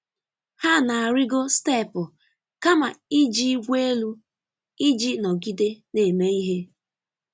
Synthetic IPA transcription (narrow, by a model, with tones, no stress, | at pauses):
ha˦na˨a˨ɾɪ˦ɡo˦ste˦˨pʊ˨ | ka˦ma˨i˦d͡ʒi˦ɡʷe˦e˦lu˦ | i˦d͡ʒi˦nɔ˨ɡi˦de˦ne˨me˦i˦ɦe˦